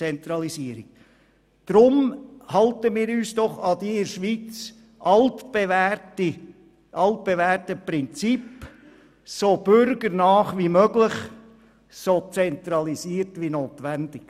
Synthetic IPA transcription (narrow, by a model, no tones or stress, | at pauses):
ɛnt̪ɾɑlisiəɾiɡ | d̪̥ɾʊmhɑltəmiːɾyːsd̥ɔχɑd̪iɪɾʃʋiːt͡s | ʔɑltb̥eʋæti | ʔɑlt̚b̥evæːrtəpɾɪnt͡sip | sob̥ʏɾɡəɾnɑːχʋimœɡlɪχ | sot͡sɛnt̪ɾɑlisiːəɾtʋinoːt̪ʋænd̥̪ɪk